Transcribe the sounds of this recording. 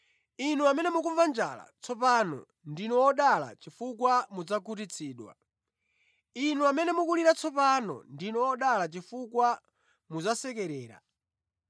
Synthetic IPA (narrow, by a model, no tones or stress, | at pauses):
inuamɛnɛmuk̬uɱvand͡ʒa̰la̰t͡sʰɔpanɔ̰ | ndinɔɔɗala̰t͡ʃifukwamud͡zakut̬it͡sʰiːɗwa̰ | inuamɛnɛmukuliɾat͡sʰɔpanɔ̰ndinɔɔɗalat͡ʃifukwa | muzasɛk̬ɛɾɛːɾa̰